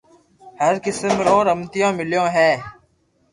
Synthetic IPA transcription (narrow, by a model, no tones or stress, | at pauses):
həɾkɪsəmɾõːɾəmt̪ɪjãːmɪljõːɦɛː